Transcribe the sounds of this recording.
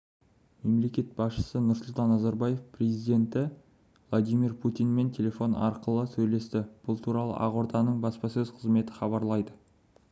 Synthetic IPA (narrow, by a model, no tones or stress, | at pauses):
me̞mle̞kʲe̞t̪̚bɑsʃə̥sənʊɾsʊlˠt̪ɑnːɑzɑɾbɑje̞fprezijd̪e̞nt̪ɪ | vlˠad̪ijmirpʰut̪ijnme̞nt̪ʲʰe̞le̞fo̞nɑ̰ɾqəlˠəsɵjle̞st̪ɪb̥ʊlˠt̪ʰuɾɑlˠə̰ʔɑʁoɾt̪ɑnəɴbɑspɑsɵzqʰəzme̞t̪ɪχɑβɑɾlˠɑjd̪ə